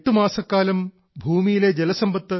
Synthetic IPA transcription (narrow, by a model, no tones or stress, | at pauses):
ʈ̪ːumaːsɐkːaːlɐm | bʱuːmijileːd͡ʑelɐsɐmbɐt̪ːɐ